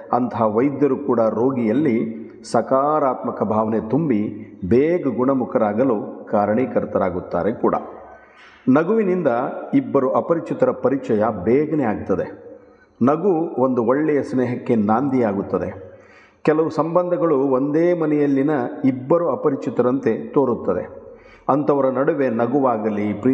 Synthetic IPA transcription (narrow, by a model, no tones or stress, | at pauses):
ɐ̰nt̪ɐɦaʋɐjd̪jɐɾukuːɽɐɾoːɡijɐlːi | sɐkaːɾaːt̪mɐkɐbʱaːʋɐnet̪umbibeːɡɐɡuɳɐmukʰɐɾaːɡɐlukaːɾɐɳiːkɐɾt̪ɐɾaːɡut̪ːa̰ːɾekuːɽɐ̰ | nɐɡuʋinind̪ɐibːɐɾuʔɐpɐɾit͡ʃit̪ɐɾɐpɐɾit͡ʃɐjɐbɛːɡɐnɛjaːɡut̪ːɐd̪e̞ | nɐɡuo̞nd̪uoɭːɛjɐsneːɦɐkːe̞naːnd̪ʱijaːɡut̪ːɐd̪e | kɛlɐʋusɐmbɐnd̪ʱɐɡɐɭuond̪eːmɐnɛjɐlːinɐibːɐɾuɐpɐɾit͡ʃit̪ɐɾɐnt̪e̞t̪o̞ːɾut̪ːɐd̪ḛ | ɐnt̪ɐʋɐɾɐnɐɽuʋe̞nɐɡuʋaːɡɐlːipː